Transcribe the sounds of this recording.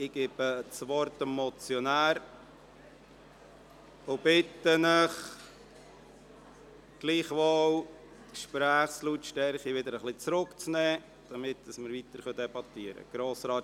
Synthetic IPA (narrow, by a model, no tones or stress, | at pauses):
ɪɡ̥ɪb̥ət͡sʋɔɾt̪ɛmɔt͡sjɔnæːɾ | ob̥ɪtːənɪχ | ɡ̥liːχʋow | tkʃpɾæːχslutːʃtɛɾχiʋɪd̪əɾəχlɪt͡sɾʊkt͡snɛː | d̥ɑmɪt̚d̥ɑsməɾʋit̪əɾχœd̪ɛbɑt̪iəɾə̰ɡ̥ɾoːsɾɑː